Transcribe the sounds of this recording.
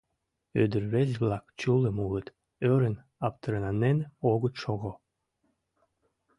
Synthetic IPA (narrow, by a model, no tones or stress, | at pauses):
ød̪ə̆ɾβezʲblˠɑkt͡ɕulˠĕmulə̆t̪ | øɾə̆n | ɑpt̪əɾənɑnenoɣət̪ʃoɣo